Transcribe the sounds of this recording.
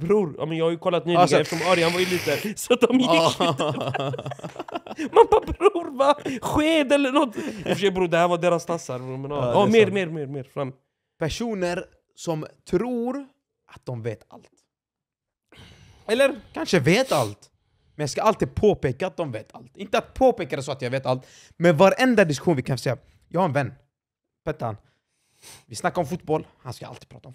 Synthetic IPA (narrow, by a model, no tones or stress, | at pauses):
bɾuːɾjɑ̰ːmɛnjɑːɡhajɵkʰɔlːat̪̚nyːɡɛft̪əʂɔmɔɾjanvaɾɪliːt̪əɾsɔat̪̚d̪ɔm | mambabɾuːɾvaɧeːd̪ɛlːəɳɔt̪ːɪfəʂɛjbɾuːd̪ɛhæːɾvad̪eːɾast̪ʰasːaɾɾʊmɛnɑːɑmeːɾmeːɾmeːɾmeːɾfɾamː | pʰæʂuːnəɾ | sɔmt̪ʰɾuːɾ | ʔat̪̚d̪ɔmveːt̪a̰lt̪ | ɛlːəɾkʰanʂəveːt̪alt̪ | mɛnjɑɡskaalt̪iːd̪̚pʰoːpeːkaːt̪̚d̪ɔmveːt̪ʰa̰lt̪ɪnt̪əat̪̚pʰoːpeːkad̪ɛs̬ɔat̪jɑːɡveːt̪alt̪ | mɛnvaɾɛnd̪ad̪ɪsk̟ɧuːnvɪkʰanfʂɛjːa | jɑːhaɾɛnvɛnː | pʰɛt̪ːaan | vɪsnakːaɾɔmfʊt̪bɔlːha̰nska̰ʔa̰lt̪iːɡ̚pɾɑ̰ːt̪aɔm